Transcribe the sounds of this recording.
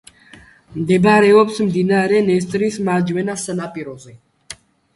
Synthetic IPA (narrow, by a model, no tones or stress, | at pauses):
md̪ɛbɾɛɔpsmd̪inaɾɛnɛs̬t̪ʼɾismad͡ʒmɛnasanapʼiɾɔzɛ